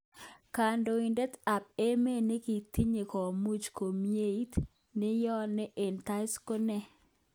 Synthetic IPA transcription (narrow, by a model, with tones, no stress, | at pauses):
ka˨ndo˨i˨ndɛ˦t̪a˨p̚e˦me˦nɪ˦ki˨t̪i˦ɲe˨kɔ˨mu˦t͡ʃko˨mje˦i˦t | nɪ˦jɔ˦nɪ˦ʔe˨nt̪a˦ɪ˦sko˦nɛ˦